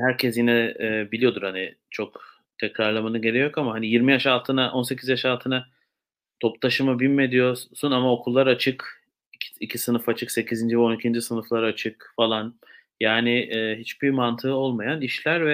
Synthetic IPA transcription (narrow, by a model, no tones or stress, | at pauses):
hæɾcʰɛsjinɛːbilʲijo̞d̪uɾhani | t͡ʃʰo̞k | t̪ʰɛcɾaɾlˠamanɯɟe̞ɾejokamaɦanijiɾmijaʃalˠt̪ʰɯnaʔo̞nsecʰizjaʃalˠt̪ʰɯna | t̪ʰo̞plˠaʃɯmabilʲme̞d̪ijo̞sunamao̞kʰulˠːaɾat͡ʃʰɯkʰ | icʰisɯnɯfat͡ʃʰɯkse̞cʰizind͡ʒivɛo̞nicʰind͡ʒisɯnɯflˠaɾat͡ʃʰɯkfalˠan | jaːnɪɛːɦit͡ʃbimant̪ʰɯɯo̞lˠmajaniʃlʲæɾvɛ